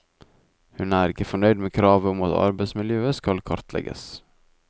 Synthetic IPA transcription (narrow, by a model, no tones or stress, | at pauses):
hʉnæːɾɪkəfɔɳœʏd̪meːkʰɾɑːʋəʊmɑt̪ɑ̰ɾbeɪsmɪljøːəskɑlkʰɑɾt̪lɛ̰ɡə̰s